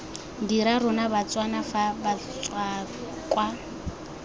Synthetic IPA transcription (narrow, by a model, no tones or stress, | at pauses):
diɾarʊnabat͡swanafabat͡swa | kʼwa